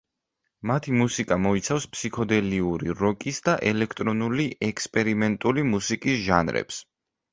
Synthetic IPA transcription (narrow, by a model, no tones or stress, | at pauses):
mat̪ʰimusikʼamɔit̪sʰafspʰsikʰɔd̪ɛliuɾiɾɔkʼisd̪aʔɛlɛkʰt̪ʼɾɔnuliɛkspʼɛɾimɛnt̪ʼulimusikʼisʒanɾɛ̰ps